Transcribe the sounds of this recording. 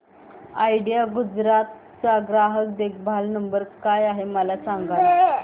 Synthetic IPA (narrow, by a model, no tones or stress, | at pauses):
ajɽijaɡud͡zɾat̪ | t͡saɡɾaɦək̚d̪ek̚ʰbʱalnəmbəɾkajaɦeməlasaŋɡal